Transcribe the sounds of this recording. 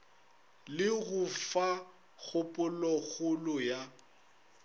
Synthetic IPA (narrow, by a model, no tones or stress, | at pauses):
lɪɣʊfa | ɣʊpʼʊlɔɣʊlʊja